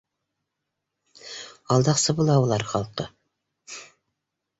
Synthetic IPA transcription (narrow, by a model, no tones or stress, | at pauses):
ɑlˠd̪ɑqsɤbulˠɑwlˠɑɾχɑlˠqɤ